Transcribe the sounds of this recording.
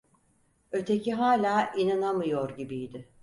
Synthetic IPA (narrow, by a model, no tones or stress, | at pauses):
ø̞t̪ʰe̞cʰiɦaːlʲaːʔinanamɯjo̞ɾɟibijd̪ɪ